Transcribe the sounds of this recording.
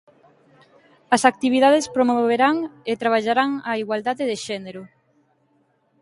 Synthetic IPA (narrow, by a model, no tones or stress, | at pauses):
ɐsak̚t̪iβ̞iðaðespɾomooβeɾaŋet̪ɾaβ̞aʎaɾaŋaiɣwald̪aðeðeʃɛneɾʊ